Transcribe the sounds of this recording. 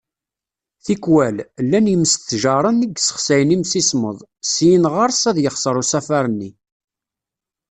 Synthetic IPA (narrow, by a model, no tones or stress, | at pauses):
θikwællːænjəməst̪θʒɑɾˤənːəɡsə̥χsæjnimsismə̰ðˤsijənʁəɾˤsæðjəχsəɾˤusæfæɾˤənːi